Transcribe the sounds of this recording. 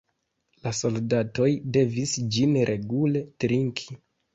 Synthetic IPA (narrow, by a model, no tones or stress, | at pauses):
laso̞ldato̞jde̞visd͡ʒinɾʔe̞ɡule̞tɾiŋkʰi̥